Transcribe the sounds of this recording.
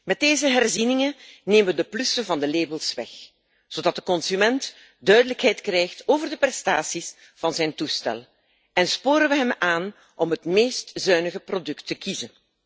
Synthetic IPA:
mɛt̚deːzəɦɛrzinɪŋənneːməʋədəplʏsəvɑndəleːbəlˠsʋɛ̰x | z̥oːdɑt̚dəkɔnsymɛnt | dœɥdələkɦɛjtkrɛːjxtoːvərdəprɛstaːsis | v̥ɑnzɛjntustɛ̰l | ɛnspoːɾənʋəɦɛmaːn | ʔɔmɦətmeːstzœɥnəɣəprodɵktːəkizən

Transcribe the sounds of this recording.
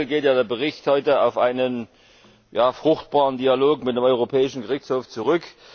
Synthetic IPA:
lɡeːtjaːdeːɐbəʁɪçthɔʏtəaʊfʔaɪnən | jaːfʁ̥ʊxtb̥aːʁəndialoːkmɪtdemɔʏʁopʰɛːɪʃn̩ɡəʁɪçt͡shoːft͡suʁʏk

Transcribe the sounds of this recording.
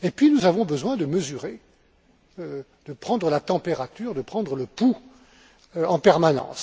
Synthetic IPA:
epɥinuzavɔ̃bəzwɛ̃d̪əməzyʁe | ø | d̪əpχɑ̃d̪ʁəlat̪ɑ̃peʁat̪yːʁd̪əpχɑ̃d̪ʁələpu | ɑ̃pɛʁmanɑ̰̃s

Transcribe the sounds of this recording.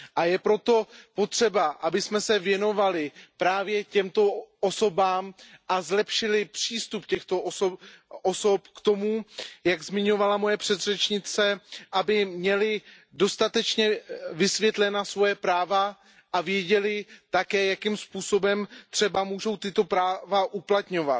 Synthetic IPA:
ʔajɛpɾo̞t̪o̞po̞t̪r̝̥ɛbaʔabɪsmɛsɛvjɛno̞valɪpɾaːvjɛcɛmt̪o̞ʔoso̞baːmʔazlɛpʃɪlɪpr̥iːst̪upcɛxt̪o̞ʔosoʔoso̞pkt̪o̞mujaɡzmɪɲo̞valamo̞jɛpr̝̥ɛd̪rɛt͡ʃɲɪt͡sɛʔabɪmɲɛlɪ | do̞st̪at̪ɛt͡ʃɲɛvɪsvjɛt̪lɛnasvo̞jɛpɾaːva | ʔavjɛɟɛlɪt̪akɛːjakimspuːso̞bɛmt̪r̥ɛbamuːʒo̞wt̪ɪt̪o̞pɾaːvaʔuplat̪ɲo̞vat̪

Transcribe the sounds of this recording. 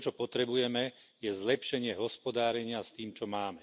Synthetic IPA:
t͡ʃɔpɔt̪ɾɛbujɛmɛjɛzlɛpʃɛɲɪɛɦɔspɔd̪aːɾɛɲɪast̪iːmt͡ʃɔmaːmɛ

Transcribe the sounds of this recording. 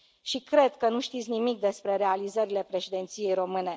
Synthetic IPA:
ʃikɾe̞d̪kənuʃt̪it̪sʲnimik̚d̪e̞spɾe̞ɾe̞alizəɾile̞pɾe̞ʃid̪e̞nt̪sije̞jɾo̞mɨne̞

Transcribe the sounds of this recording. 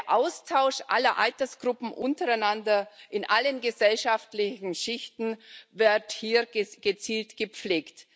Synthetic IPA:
ʔaʊstʰaʊʃʔa̰lɐʔa̰ltɐsɡ̥ʁʊpm̩ʔʊntəʁaɪnandɐʔɪnʔalənɡəzɛlʃaftlɪçn̩ʃɪçtn̩vɪɐthiːɐɡ̥ət͡siːltɡ̥əp͡fleːkt

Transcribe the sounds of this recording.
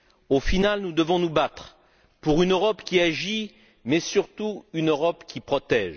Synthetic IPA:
ofinalnud̪əvɔ̃nubat̪χ | puʁynøʁɔpkʲiaʒi | mɛsyʁt̪uynøʁɔpkʲipχɔt̪ɛʒ

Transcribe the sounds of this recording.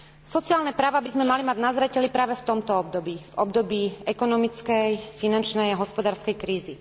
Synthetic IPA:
sɔt͡siaːlnɛpɾaːʋabizmɛmalimaɟnazɾɛcɛlipɾaːʋɛft̪ɔmt̪ɔɔb̚d̪ɔbiːvɔbd̪ɔbiːɛkɔnɔmit͡skɛjfinant͡ʃnɛjaɦɔspɔd̪aːɾskɛjkɾiːzi

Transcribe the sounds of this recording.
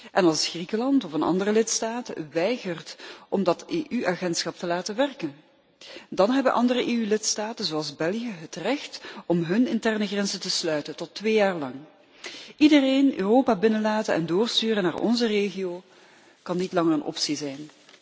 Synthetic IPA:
ʔɛnɑlˠsχrikəlɑntɔfənɑ̰ndərəlɪtstaːtə̰ʋɛjɣərtʔɔmdɑteːʔyʔaːɣɛntsxɑp̚təlaːtəʋɛrkən | dɑnɦɛbənʔɑ̰ndərəʔeːylɪtstaːtənzoɑlˠzbɛlˠijəɦətrɛxtɔmɦɵnɪntɛrnəɣrɛnzəntəslœɥtəntɔtːʋeːjaːrlɑŋ | ʔidəreːnø̰ːroːpaːbɪnəlaːtənɛ̰ndʊːrstyːrənaːrɔ̰nzəreːɣijoː | kɑnːitlɑŋərənʔɔ̰psizɛjn

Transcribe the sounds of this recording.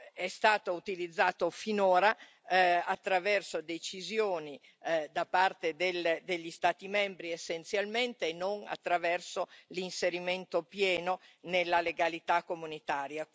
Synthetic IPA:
ɛst̪aːt̪out̪ilid̪zːaːt̪ofinoːɾa | at̪ːɾavɛrsod̪et͡ʃizjoːni | d̪apart̪ed̪eld̪eʎːist̪aːt̪imɛmbɾiesːent̪sjalment̪eːnːoŋa̰t̪ːɾavɛrsolinseɾiment̪opjɛːnonelːaleɡalit̪akːomunit̪aːɾja

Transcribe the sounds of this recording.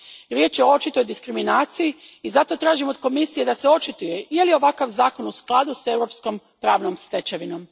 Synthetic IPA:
ɾje̞ːt͡ʃjeoo̞t͡ʃit̪ojd̪iskɾiminaːt̪sijiiːzat̪o̞t̪ɾaːʒimod̪ko̞misije̞d̪aseo̞t͡ʃit̪uje̞jelio̞ʋakaʋzaːko̞nusklˠad̪use̞ʋɾo̞psko̞m | pɾaːʋno̞mst̪e̞t͡ʃeʋino̞m

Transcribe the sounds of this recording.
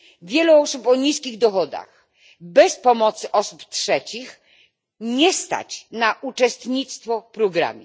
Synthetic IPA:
vʲjɛluɔsupɔɲiskʲiɣd̪ɔxɔd̪a̰x | bɛspɔmɔt̪sɘʔɔsuptʂɛt͡ɕix | ɲɛst̪a̰t͡ɕnaʔut͡ʂɛst̪ɲit̪st̪fɔpɾɔɡɾa̰mʲɛ

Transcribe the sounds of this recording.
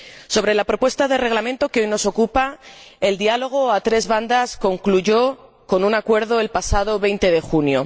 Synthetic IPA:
so̞β̞ɾe̞lapɾo̞pwe̞st̪aðe̞re̞ɣlamẽ̞nt̪o̞keo̞jno̞so̞kupae̞ld̪ialo̞ɣ̞o̞at̪ɾe̞zβand̪asko̞ŋkluʝo̞ | ko̞nunakwe̞ɾð̞o̞e̞lpasað̞o̞βe̞jnt̪e̞ðe̞xunjo̞

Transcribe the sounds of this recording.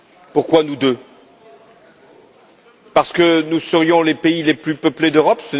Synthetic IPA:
puʁkwanud̪ø | paʁsə̥kənusəʁjɔ̃lepeileplypəpled̪øʁɔpsə

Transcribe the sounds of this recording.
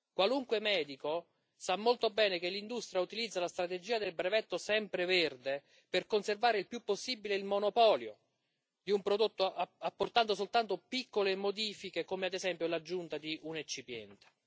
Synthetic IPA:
kwaluŋkwemɛːd̪iko | samːolt̪obɛːnekelːind̪ust̪ɾijaut̪ilid̪zːalast̪ɾat̪ed͡ʒiːad̪elbɾevɛt̪ːosɛmpɾeverd̪e | perkonservaːɾeilpjupːosːiːbileilmonopɔːljo̰ | d̪iumpɾod̪ot̪ːoʔaapːort̪and̪os̬olt̪ant̪opikːolemod̪iːfikekomead̪ezɛmpjolad͡ʒːunt̪ad̪iʔunet͡ʃːipjɛ̰nt̪e̥

